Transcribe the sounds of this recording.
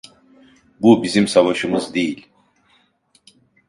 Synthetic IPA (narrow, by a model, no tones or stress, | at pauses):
bubizimsavaʃɯmɯzd̪e̞jilʲ